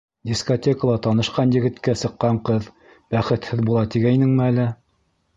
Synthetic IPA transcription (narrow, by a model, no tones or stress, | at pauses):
d̪ʲiskotʲekəlˠɑt̪ɑnɤ̆ʃqɑnjɘ̆ɡɘ̆t̪kæsɤ̆qːɑɴqɤð | bæχɘ̆t̪hɘðbulˠɑt̪iɡæjnɘŋmɘælɘ